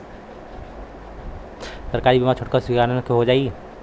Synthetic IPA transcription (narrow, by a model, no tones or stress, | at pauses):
səɾkaːɾibimat͡ʃʰoʈ̚kasɪɡanənkeɦod͡ʒaːi